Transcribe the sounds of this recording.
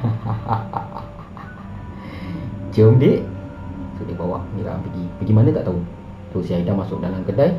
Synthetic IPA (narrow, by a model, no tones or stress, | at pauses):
d͡ʒəŋdeʔ | suʔdɪbawa̰ʔniɾa̰ʔa̰mpəɡipəɡimanə̃t̪aʔt̪aʊ | sosiaidamasʊk̚dalaŋkədaj